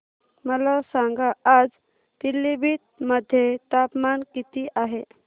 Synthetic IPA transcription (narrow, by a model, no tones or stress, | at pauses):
məlasaŋɡaad͡z | t̪ilːibiːt̪̚məd̪ʱːjet̪apmankit̪iʔaɦe